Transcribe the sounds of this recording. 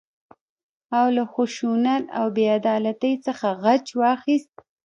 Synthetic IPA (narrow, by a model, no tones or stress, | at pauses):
awlaxuʃunat̪a̰wbead̪ɑlat̪əjt͡səxaɣat͡ʃwɑxist̪̚